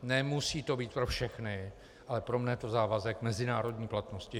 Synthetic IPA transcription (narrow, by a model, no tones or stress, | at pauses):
nɛmusiːt̪o̞biːt̪̚pɾofʃɛxnɪ | ʔalɛpɾo̞mnɛjt̪o̞zaːvazɛkmɛzɪnaːɾo̞dɲiːplat̪no̞scɪ